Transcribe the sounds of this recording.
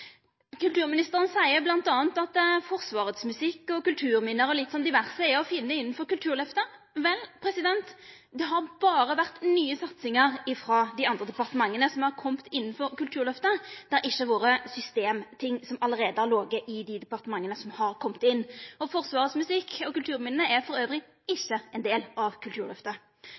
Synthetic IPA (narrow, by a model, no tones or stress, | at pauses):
kʉlt̪ʉːɾmɪnɪst̪əɾənsæɪəblɑnt̪ɑːnt̪ɑt̪fɔɾsʋɑːʁəd̪smʉsɪkːɔkʉlt̪ʰʉːɾmɪnːəɾɔlɪt̪ːsɔnd̪ɪʋæʁsəɛɔfɪnːəɪnːn̩fɔɾkʉlt̪ʰʉːɾlœft̪əɾ | ʋɛlːpʰɾɛsɪd̪ɛnt̪ | d̪ɛɦɑɾb̥ɑːɾəʋæʁt̪nyːəsɑt̪sɪŋəɾɪfɾɑd̪ɪɑnd̪ɾəd̪ɛpɑʁt̪əmɑŋːənəsɔmhɑɾkʰɔmt̪ʰɪnːn̩fɔɾkʉlt̪ʰʉːɾlœft̪əd̪̥ɛɾʔɪçːəʋoːɾəsʏst̪eːmt̪ʰɪŋːsɔmɑləɾeːd̪əæɾloːɡəʔɪd̪ɪd̪ɛpɑʁt̪əmɑŋːənəsɔmhɑɾkʰɔmːt̪ɪnːɔfɔʁsʋɑːʁəsmʉsɪkʰːɔkʉlt̪ʰʉːɾmɪnːnəʔɛfɔɾøːʋɾɪ | ɪçːəɛnd̪eːlɑʋkʰʉlt̪ʉːɾlœft̪ə